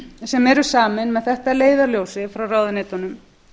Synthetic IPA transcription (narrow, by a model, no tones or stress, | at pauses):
sɛmɛɾʏ̥saːmɪnmɛðθɛht̪aleːjðaɾljoːwsɪfɾawraːwðɪneːt̪ɔnʏm